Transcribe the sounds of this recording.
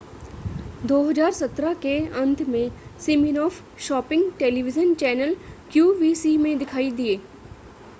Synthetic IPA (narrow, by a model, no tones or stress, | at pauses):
d̪oːɦəd͡ʒaːɾsɐt̪ɾakeɐ̃nt̪ʰmẽsɪminɔːf | ʃɔːpɪ̃ŋɡʈeːliʋɪd͡ʒənt͡ʃɛːnəlkjuːʋiːsimẽd̪ɪkʰaːid̪ieː